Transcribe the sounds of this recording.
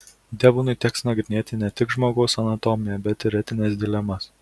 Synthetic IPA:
d̪ʲɛbʊnʊɪt̪ʲɛːksnɐɡɾʲɪnʲeːt̪ʲɪnʲɛt̪ʲɪkʒmoːɡɐʊsɐnɐt̪ɔmʲɪjɛbʲɛt̪ɪɾʲɛt̪ʲɪnʲɛːsd̪ʲɪlʲɛmɐs

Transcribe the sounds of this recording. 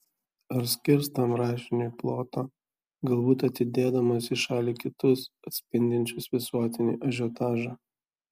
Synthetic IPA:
ɐɾsʲkʲɪɾst̪ɐmɾɑːʃʲɪnʲoiplˠoːt̪oː | ɡɐlˠbuːt̪ɐt̪ʲɪd̪ʲeːd̪ɐmɐsʲɪʃɑːlʲiːkʲɪt̪ʊsɐt̪ʲsʲpʲɪnʲd̪ʲɪnʲt͡ʃʲʊsʋʲɪsuɔt̪ʲɪnʲḭːʔɐʒʲot̪ɑːʒɑ

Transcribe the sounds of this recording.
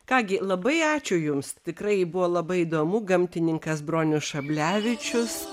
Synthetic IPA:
kɑːɡʲɪlˠɐbɐɪɑːt͡ʃʲʊjʊmst̪ʲɪkɾɐɪbʊʋoːlˠɐbɐɪid̪oːmʊɡɐmʲt̪ʲɪnʲɪŋkɐsbɾoːnʲʊsʃɐbʲlʲæːʋʲɪt͡ʃʲʊs

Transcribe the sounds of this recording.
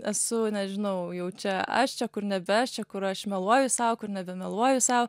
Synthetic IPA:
ɛsʊnʲɛʒʲɪnɐʊjɛʊt͡ʃʲɛɐ̰ʃt͡ʃʲɛkʊrnʲɛbʲɛʃt͡ʃʲɛkʊɾɐʃmʲɛlˠuɔjʊsɐʊkʊɾnʲɛbʲɛmʲɛlˠuɔjʊsɐʊ

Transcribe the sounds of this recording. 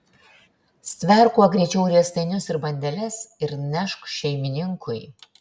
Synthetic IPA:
sʲt̪ʲʋʲɛˑɾkuɐɡɾʲɛt͡ʃʲɛʊɾʲiɛst̪ɐɪnʲʊsɪɾbɐnʲd̪ʲɛlʲɛsɪɾnʲɛʃkʃʲɛɪmʲɪnʲɪŋkʰʊj

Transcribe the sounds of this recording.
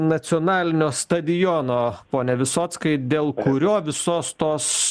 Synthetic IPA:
nɐsʲiɔːnɑːlʲɪnʲoːst̪ɐd̪ʲɪjoːnoːpoːnʲɛʋʲɪsoːt̪skɐɪd̪ʲeːlˠkʊɾʲoːʋʲɪsoːst̪oːs

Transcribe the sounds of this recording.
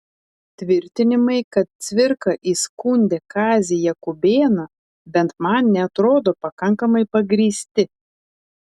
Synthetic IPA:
t̪ʲʋʲɪɾʲt̪ʲɪnʲɪmɐɪkɐt̪̚t̪sʲʋʲɪɾkɐʔiːskuːnʲd̪ʲɛkɑːzʲɪjɛkʊbʲeːnɐ | bʲɛnt̪mɐnnʲɛɐt̪ɾoːd̪oːpɐkɐŋkɐmɐɪpɐɡɾʲiːsʲt̪ʲɪ

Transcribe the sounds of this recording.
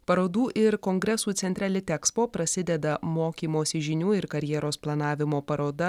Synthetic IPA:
pɐɾoːd̪uːʔɪɾkoŋɡɾʲɛsuːt̪sʲɛnʲt̪ʲɾʲæːlʲɪt̪ʲɛkspoːpɾɐsʲɪd̪ʲɛd̪ɐmoːkʲiːmoːsʲɪʒʲɪnʲuːɪɾkɐɾʲjɛːɾoːsplˠɐnɑːʋʲɪmoːpɐɾoːd̪ɐ

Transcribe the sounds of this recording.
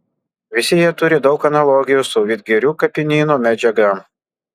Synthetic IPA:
ʋʲɪsʲɪjit̪ʊɾʲɪd̪ɒʊkɐnɐlˠɔːɡʲɪjuˑsɔʊʋʲiːt̪̚ʲɡʲɛɾʲuːkɐpʲɪnʲiːnuːmʲæd͡ʒʲɛɡɐ

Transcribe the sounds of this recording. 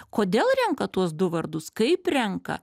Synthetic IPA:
koːd̪ʲeːlˠɾʲɛŋkɐt̪uɔsd̪ʊʋɐɾd̪ʊskɐɪpɾʲɛŋkɐ̰

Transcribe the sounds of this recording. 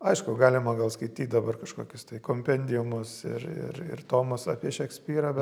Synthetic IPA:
ɐɪʃkʊɡɑːlʲɪmɐɡɐlˠskɐɪt̪ʲiːt̪̚ʲd̪ɐbɐrkɐʃkoːkʲʊst̪ɐɪkoːmʲpʲɛnʲd̪ʲɪjʊmʊsɪ̰rɪ̰rɪ̰rt̪oːmʊsɑ̰pʲiɛʃʲɛksʲpʲiːɾɐbʲɛ

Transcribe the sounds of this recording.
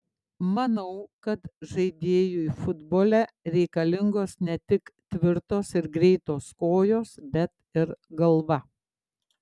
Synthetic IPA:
mɐnɐʊkɐt̪ʒɐɪd̪ʲeːjuifʊd̪boːlʲɛ | ɾʲɛɪkɐlʲɪŋɡoːsnʲɛt̪ʲɪkt̪ʲʋʲɪɾt̪oːsɪɾɡɾʲɛɪt̪oːskoːjoːsbʲɛt̪ɪɾɡɐlˠʋɐ

